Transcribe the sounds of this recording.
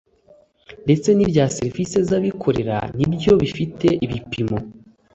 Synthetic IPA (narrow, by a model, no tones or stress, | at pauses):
nde̞t͡se̞nibɟaːseɾivise̞zaβikʰo̞ɾe̞ɾa̰nibjo̞βifite̞ʔiβipimo̞